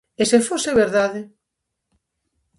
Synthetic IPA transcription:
esefoseβeɾðaðe

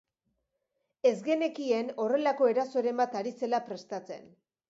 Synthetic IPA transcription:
e̞zɣe̞ne̞kie̞no̞re̞lako̞e̞ɾaso̞eɾe̞mbat̪aɾise̞lapɾe̞st̪at͡se̞̰n

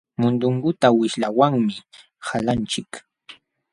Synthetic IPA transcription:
mʊnd̪ʊŋkʊt̪awɪʃlawaŋmɪ | halant͡ʃɪk

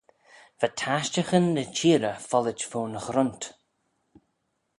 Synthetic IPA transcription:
v̥atʰaʃt͡ʃəxənːət͡ʃʰiːɾəfɔlɪt͡ʃfoːnəxɾʊnt

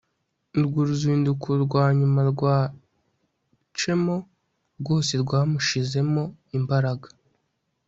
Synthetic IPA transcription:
ɾɡuɾuziːndukʰuɾɡwaːɲumaɾɡwaː | t͡ʃe̞mo̞ | ɾɡo̞ːse̞ɾɡwaːmuʃize̞mo̞imbaɾaɡḁ

